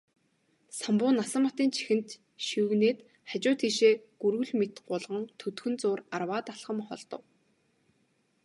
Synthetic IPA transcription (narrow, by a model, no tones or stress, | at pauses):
sampʊːnasə̆mɔt̪iːnt͡ɕʰi̥xɘ̆nt̪ | ʃiwneːt̪ | χat͡ɕʊːt̪xiːʃeːɡ̥uɾɣɵ̆ɮmet̪ɢʊɮʁə̆ŋt̪ʰɵt̪xɵ̆nt͡sʊːrarwaːt̪aɬχə̆mχɔ̰ɮt̪ɞ̆w